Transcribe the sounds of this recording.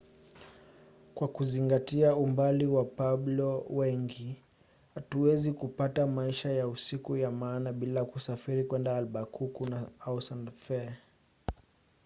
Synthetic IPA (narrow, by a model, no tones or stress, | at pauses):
kwakuziŋɡatiaumbaliwapablɔwɛŋɡi | hatuwɛzikupatamaiʃajausikujamaːnaɓilakusafiɾikwɛndaːlɓakukunaausandfɛ